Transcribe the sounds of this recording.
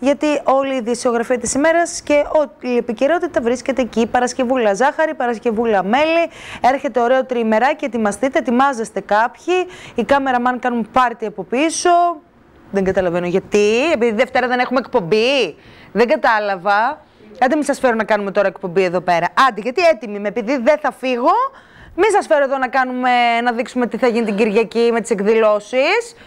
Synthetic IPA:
ʝɐt̪io̞liːðisio̞ɣɾɐfiɐt̪isime̞ɾɐsce̞oiepice̞ɾo̞t̪it̪ɐvɾisce̞t̪eːcipɐɾɐsce̞vulɐzɐxɐɾipɐɾɐsce̞vulɐme̞lie̞ɾçe̞t̪e̞o̞ɾe̞ot̪ɾime̞ɾɐceːt̪imɐst̪it̪eːt̪imɐzest̪e̞kɐpçiːkɐme̞ɾɐmɐnkɐnunpɐɾt̪iɐpo̞piso̞ | ðeŋɡɐt̪ɐlɐve̞noʝɐt̪ie̞piðiðe̞ft̪e̞ɾɐðene̞xumekpo̞mbi | ðeŋɡɐt̪ɐlɐvɐ | ɐd̪imisɐsfeɾonɐkɐnume̞t̪o̞ɾɐekpo̞mbieðo̞pe̞ɾɐʔɐnd̪iʝɐt̪iet̪imimeːpiðiðe̞θɐfiɣo̞ | minsɐsfe̞ɾoe̞ðo̞nɐkɐnume̞nɐðiksume̞t̪iθɐʝinit̪iɟiɾʝɐcime̞t̪isekðilo̞sis

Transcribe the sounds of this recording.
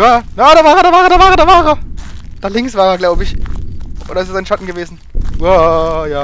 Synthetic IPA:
jaːjaːɾavaːʁədaːvaːʁədaːvaːʁədaːvaːʁəd̥aːlɪŋksv̥aːʁeɐɡlaʊbəɪçʔo̰ːdɐɪstsaɪnʃatn̩ɡəveːzn̩ | ajaː

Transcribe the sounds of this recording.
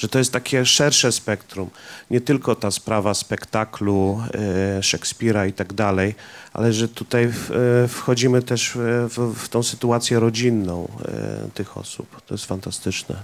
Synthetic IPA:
ʐ̥ɛt̪ɔjɛst̪ːakʲɛʂɛɾʂɛspɛkt̪ɾumɲɛt̪ɘlkɔt̪aspɾavaspɛkt̪aklu | ʂɛkspʲiɾait̪aɡd̪alɛjʔa̰lɛʐɛt̪ut̪ajfxɔd͡ʑimɘt̪ɛʂft̪ɔ̃w̃sɘt̪uat̪sʲjɛɾɔd͡ʑinːɔ̰̃w̃t̪ɘxɔ̰sṵpt̪ɔjɛst̪fant̪ast̪ɘt͡ʂnɛ̰

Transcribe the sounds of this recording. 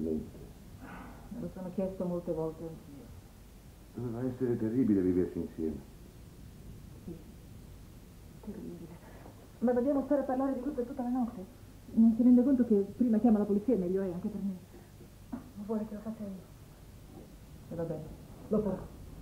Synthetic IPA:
lmḛnt̪e | mḛlosoːnok̟jɛst̪omolt̪evɔlt̪eaŋk̟iːo | d̪̥ovɛːvaɛsːeɾet̪erːiːbileviversiinsjɛ̰ːme | si | t̪erːibile | mavːed̪jaːmospɛːɾaparlaːɾed̪it̪ut̪ːet̪ut̪ːelenɔt̪ːe | nːonsiɾɛnd̪ekont̪ok̟epːɾiːmakjaːmalapolit̪siːamɛʎːoɛaŋk̟eperme | mavwɔːlekelofat͡ʃːaiːo | evabɛnelopaɾɔ

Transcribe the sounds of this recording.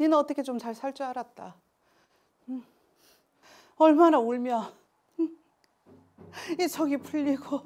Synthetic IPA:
inɯnʌt͈ʌkʰet͡ɕomt͡ɕaɭsʰaɭt͡ɕ͈uaɾat̚t͈a | ʌɭmanaoɭmjʌn | it͡ɕʰʌɡipʰuʎːiɡo

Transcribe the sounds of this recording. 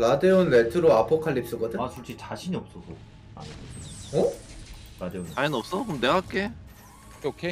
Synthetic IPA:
ladeonːeɭtʰɯɾoapʰokʰaʎːip̚s͈ɯɡʌdɯasʰuɭt͡ɕ͈it͡ɕaɕʰiɲiʌp̚s͈ʌsʰo | a̰naeʌ | ɾadeonainʌp̚s͈ʌkomne̞ɡak͈e̞ | okʰe

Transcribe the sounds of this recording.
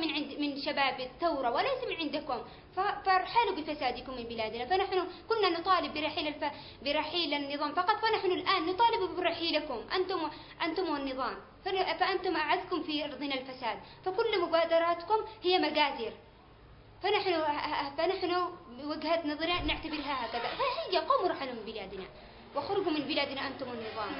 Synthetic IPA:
mɪnʕɪmɪnʃabaːbɪt̪ːawɾˤɑwɪlajsamɪnʕɪnd̪akʊm | fafɾˤħaːlubɪfasaːd̪ɪkʊmːɪnbɪlaːd̪nafanaħnʊkʊlːanʊt̪ˤɑːlɪbːɪɾˤɑħiːlalfa | bɪɾˤɑħiːlanːɨðˤɑːmfɑqɑt̪ˤfanaħnʊlʔaːnːʊt̪ˤɑːlɪbubɪɾˤɑħiːlakʊmʔa̰nt̪ʊm | ʔant̪ʊmwanːɨðˤɑːm | ffaʔant̪ʊmʔaʕad̪kʊmfiʔɑɾˤd̪ˤɪnalfasaːd̪̚ | fakʊlːmʊbaːd̪ɑɾˤɑːt̪kʊmhɪjːamaɡaːd̪iːɾ | fanaħnʊfanaħnʊwaɡhat̪nɑðˤɑɾinɪʕt̪abɪɾɦahaːkaðafahiːɡaquːmʊɾˤɑħanamɪnbɪlaːd̪na̰ | wʔaxɾˤʊɡumɪnbɪlaːd̪naʔant̪ʊmwanːɨðˤɑːm

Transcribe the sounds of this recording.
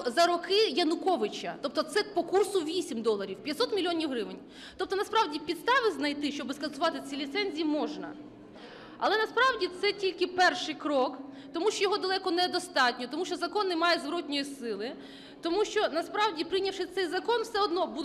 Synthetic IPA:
zɐɾɔkɪjɐnʊkɔʋɪt͡ʃɐ̰t̪ɔp̚t̪ɔt̪sɛpɔkursʊʋʲisʲimd̪ɔlˠɐɾʲiwpʲjɐt̪sɔt̪mʲilʲiɔnʲiwɦɾɪʋɪnʲ | t̪ɔp̚t̪ɔnɐspɾɑwdʲipʲid̪st̪ɑʋɪznɐjt̪ɪʃt͡ʃɔbɪskɐnsʊʋɑt̪ɪt͡sʲilʲit̪sɛnʲzʲijimɔʒnɐ̰ | ɐ̰lˠɛnɐspɾɑwdʲit̪sɛtʲilʲkɪpɛrʃɪjkɾɔk | t̪ɔmuʃt͡ʃɔjɔɦɔd̪ɐlˠɛkɔnɛd̪ɔst̪ɑtʲnʲɔt̪ɔmuʃt͡ʃɔzɐkɔnːɪmɑjɛzʋɾɔtʲnʲɔjisɪlˠɪ | t̪ɔmuʃt͡ʃɔnɐspɾɑwdʲipɾɪjnʲɐwʃɪt̪sɛjzɐkɔnwsɛɔd̪nɔbu

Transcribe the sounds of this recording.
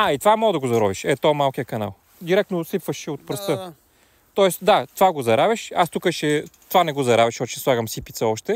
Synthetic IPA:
ait̪ovamɔɡd̪ɐɡozɐɾɔviʃɛt̪ɔmalˠkijəkɐna̰lˠ | d̪iɾɛk̚t̪nosipfəʃɛot̪̚pɾəst̪ɤ | t̪ɔɛsd̪at̪ovaɡozɐɾavʲɐʃast̪ukəʃɛt̪ovanɛɡozɐɾavʲəʃɔt͡ʃɛ̥slˠaɡəmsipit̪səɔʃt̪ɛ

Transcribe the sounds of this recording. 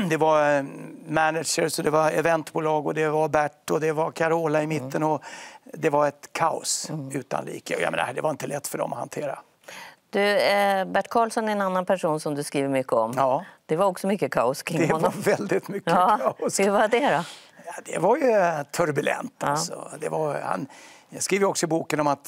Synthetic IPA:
d̪ɛvaɾ | mænɪd̪ʂəɾsɔd̪ɛvaɛvɛnt̪buːlɑːɡɔd̪ɛvaɾbæʈːɔd̪ɛvaɾkʰaɾoːlaɪmɪt̪ʰːənɔd̪ɛvaɾɛt̪kʰaʊ̰sʉ̟ːt̪a̰nlḭːkəɔja̰mḛːna̰d̪ɛvaɾɪnt̪əlɛt̪ːfœɖɔ̰mɔha̰nt̪ʰeːɾa̰ | d̪̥ɵbæʈːkʰɑːlsɔnæɾɛnanːanpʰæʂuːnsɔmd̪ɵskɾiːvəɾmʏkːəɔmɑːd̪̥ɛvaɾɔksɔmʏkːəkʰɑːʊskʰɪŋd̪ɛvavɛld̪ɪt̪mʏkːəːaʊsvad̪ɛɾɔjad̪ɛ̰vaɾjɵt̪ʰɵɾbʉlɛ̰nt̪asɔ̰d̪ɛ̰vaɾha̰njskɾiːvəjəɔksɔɪbuːkənɔmat̪

